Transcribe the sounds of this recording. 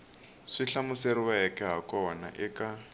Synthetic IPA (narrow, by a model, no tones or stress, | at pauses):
ʂiɬamʊseɾiwaɦɛkʼɛɦakʼɔɦɔna̰ʔɪka